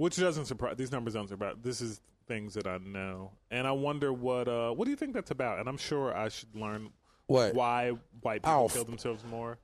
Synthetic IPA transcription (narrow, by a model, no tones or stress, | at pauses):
wɨt͡ʃd̥ʌzɨ̃ntsə˞pʰɹ̥aɪðiznʌ̃mbə˞zdʌ̃nsə˞pʰɹaɪðɪsɨz̥ | θɪ̃ŋzðɨɾaɪnoʊɨ̃ñaɪwʌ̃ndə˞wʌɾʌwʌt̚d̥ɨjɨθɪ̃ŋk̚ðætsɨbaʊɾɨ̰̃ñãɪ̃mʃʊɹa̰ɪʃɨdˡlɜ̃˞n | wawaɪwaɪpʰil̩kʰɪlˠðə̃m̩sɛlˠvzmɔɹ